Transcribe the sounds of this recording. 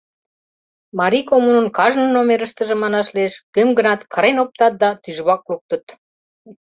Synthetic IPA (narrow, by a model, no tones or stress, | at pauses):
mɑɾikomunənkɑʒnənomeɾəʃt̪ə̆ʒĕmɑnɑʃlieʃkømɡənɑt̪kə̆ɾenop̚t̪ɑt̪̚d̪ɑt̪yʒβɑk̚luk̚t̪ə̆t̪